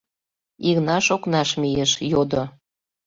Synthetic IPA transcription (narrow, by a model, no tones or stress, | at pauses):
iɣnɑʃoknɑʃmijeʃjod̪o